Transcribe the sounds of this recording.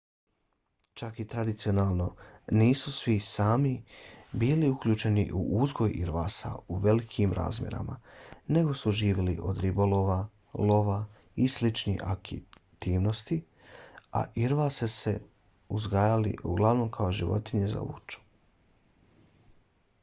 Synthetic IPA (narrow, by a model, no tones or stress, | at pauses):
t͡ʃakit̪ɾad̪it̪sionaːlˠnoniːsusʋisaːmibiːliukʎuːt͡ʃe̞nḭʔṵʔuzɡo̞jḭɾʋa̰ːsa̰uʋe̞likʰimɾʔa̰ːzmʲjḛɾa̰mane̞ɡo̞suʒiːʋelḭʔo̞̰d̪ɾibolo̞ʋa | lo̞ʋa | islit͡ʃnḭxa̰kit̪iːʋno̞st̪i | a̰ʔiɾʋasese̞̰ | uzɡaːjalḭʔṵɡlˠaʋno̞ːmkʰaoʒiʋo̞̰t̪iɲe̞za̰ʋṵt͡ʃu̥